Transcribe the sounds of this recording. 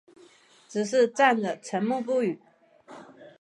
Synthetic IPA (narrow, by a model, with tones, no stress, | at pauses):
ʈ͡ʂɻ̩˨˩ʂ̬ɻ̩˥˧t͡sa˥˩nd̪ə˩ʈ͡ʂʰə˧˥nmu˥˧p̬u˥˩y˨˩˦